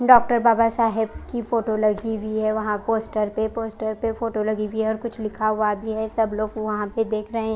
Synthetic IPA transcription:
ɖɔːk̚ʈəɾbaːbasaːɦɪbkifoːʈolɐɡibʱiɦɛʋɐɦãpoːsʈəɾpepoːsʈəɾpefoːʈolɐɡibʱiɦɛɔːɾkʊt͡ʃʰlɪkʰaɦʊabʱiɦɛsɐbloːɡʋɐɦãped̪eːkʰɾɐɦẽɦɛ̃

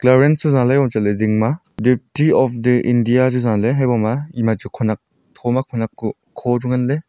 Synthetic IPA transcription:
klaɾensuzãlajbɔmt͡ʃalediŋma | dip̚tiɔp̚ʰdɯʔindijad͡ʒuzãleɦajbɔmaimad͡ʒukʰɔnak̚ | tʰɔmakʰɔnakːu | kʰːɔduŋanle

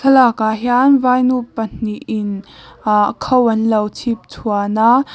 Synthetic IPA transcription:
sʰəlakaːɦanvaːjnupən̥iʔɪn | kʰowɐnlɐwt͡sʰip̚t͡sʰuanaʔ

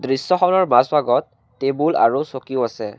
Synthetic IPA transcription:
dɹisːɔxɔnɔɹmasbaɡɔtː | ebula̰ɹusokiʊasɛ

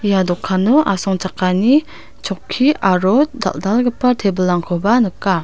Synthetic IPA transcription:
jadɔkʰːanɔʔasɔŋt͡ʃakːani | t͡ʃʰɔkʰːiaɾɔda̰ldalɡɯpːatʰebəlːaŋkʰɔbanɯkːa

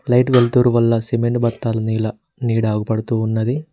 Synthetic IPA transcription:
lɐjʈʋeɭʈ̪uːɾuʋɐlːɐsemeɳʈ̚bɐt̪ːaːlɐniːlɐ | niːɽaːɡupɐɽɐt̪uːnːɐd̪i

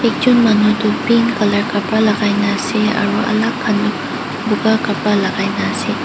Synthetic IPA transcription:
ek̚d͡ʒunmanudupinkɐlɐɾkapalaɡajnaseɐ̰ɾuɐ̰lakʰːanuk̚ | buɡakapalaɡajnase

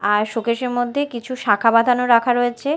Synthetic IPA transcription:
aɾʃokeʃeɾmod̪ʱːekit͡ɕʰuʃakʰabad̪ʱanoɾakʰaɾoet͡ɕʰe

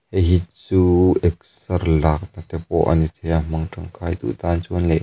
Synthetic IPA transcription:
hɛɦit̪̚t͡suːɛk̚sɐrlak̚nat̪ɛp̚ɔ̰ʔɐ̰nit̪ʰɛjamɐŋʈ͡ʂɐŋkʰajd̪ṵʔt̪aːnt͡sunlɛʔ

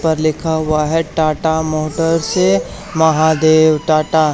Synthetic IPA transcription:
pɐɾlɪkʰaɦʊaɦɛʈaːʈamoːʈəɾse | mɐɦad̪eːʋʈaːʈa

